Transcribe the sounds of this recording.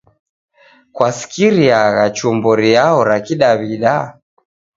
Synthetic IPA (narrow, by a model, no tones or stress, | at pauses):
kwasi̥kiɾiaɣat͡ʃumbɔɾiaɔɾakiɗaβiɗa